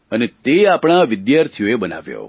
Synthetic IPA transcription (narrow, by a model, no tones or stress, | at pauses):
ənet̪eapɽ̃aʋɪd̪jaɾt̪ʰijoebəna̰ʋjo̰